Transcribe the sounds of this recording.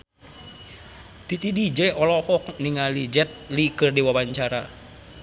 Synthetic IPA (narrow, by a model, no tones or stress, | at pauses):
t̪it̪idid͡ʒɛɔlɔhɔkniŋalid͡ʒɛt̪̚likɨrdiwawaɲt͡ʃaɾa